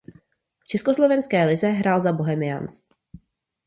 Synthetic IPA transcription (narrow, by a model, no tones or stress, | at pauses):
ft͡ʃɛskoslovɛnskɛːlɪzɛɦɾʔaːlzaboɦɛmɪja̰ns